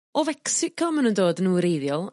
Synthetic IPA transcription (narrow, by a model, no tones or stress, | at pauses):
ɔvɛksɪkʰɔmanəndoːdənuːɾejðjɔlˠ